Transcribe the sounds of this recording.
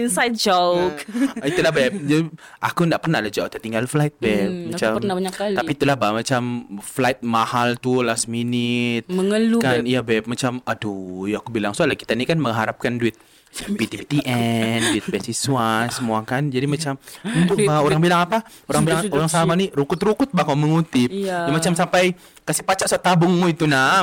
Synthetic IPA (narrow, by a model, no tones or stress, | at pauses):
insajt̪̚d͡ʒokit̪ulahbɛp̚d͡ʒadiʔa̰kundaʔpərnahdad͡ʒauk̚t̪ət̪iŋɡalflaɪt̪̚bɛp̚mat͡ʃanaɲakkalt̪apiːt̪ulahbamat͡ʃamflaɪt̪̚mahalt̪ulasminɪt̪̚məŋəlukanijabɛp̚mat͡ʃamadojakubilaŋsualahki̥t̪anikanməŋɦaɾap̚kanduɪt̪̚ | pit̪ipit̪iʔɛnduɪt̪̚bɛsisuasəmuakand͡ʒadimat͡ʃamunt̪ʊkbaoɾaŋbilaŋapa | oɾaŋbilaŋoɾaŋsamaniɾukʊt̪ɾukʊt̪̚bahkaməŋut̪ɪpd͡ʒamat͡ʃamsampaj | kasipat͡ʃaʔsaat̪abʊŋmuit̪una